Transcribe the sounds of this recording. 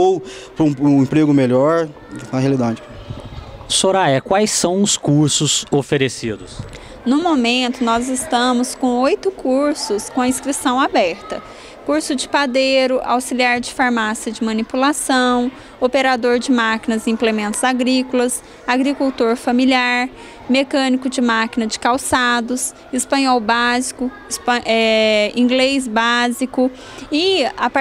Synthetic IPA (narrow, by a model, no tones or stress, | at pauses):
ow | pɾ̃ũĩpɾeɡʊmeʎɔɾ | nɐhealid̪ad͡ʒɪ | soɾajɐkwajsɐ̃w̃ʊskuɾsʊzofeɾesid̪ʊs | nʊ̃momẽnt̪ʊnɔzɪst̪ɐ̃mʊskõw̃ojt̪ʊkuɾsʊskõɐĩskɾisɐ̃w̃abɛɾt̪ɐ | kuɾsʊd͡ʒɪpad̪eɾʊʔa̰wsiliaɾd͡ʒɪfaɾmasiɐd͡ʒɪmɐ̃nipulasɐ̃w̃ | opeɾad̪oɾd͡ʒɪmakinɐzĩplemẽnt̪ʊz̥aɡɾikʊlɐs | aɡɾikuwt̪oɾfɐmiliaɾ | mekɐ̃nikʊd͡ʒɪmakinɐd͡ʒɪ̥kawsad̪ʊs | ɪspɐ̃ɲɔwbazikʊ | spɛĩɡlejzbazikʊ | ɪap